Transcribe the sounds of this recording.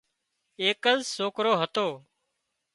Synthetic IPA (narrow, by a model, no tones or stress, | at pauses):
eːkəzsoːkɾoːɦət̪oː